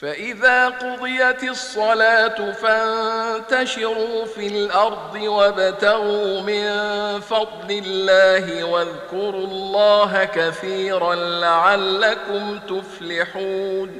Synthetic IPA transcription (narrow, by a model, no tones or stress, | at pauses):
faʔɪðaːqʊd̪ˤɨjat̪ɪsˤːɑlaːt̪ʊfannt̪aʃɪɾuːfilʔɑɾˤd̪ˤɨwabat̪aɣuːmɪnfɑd̪ˤlɪlːaːɦɪwaðkʊɾuːlˤːɑːɦakaθiːɾanlaʕalːakʊmt̪ʊflɪħuːn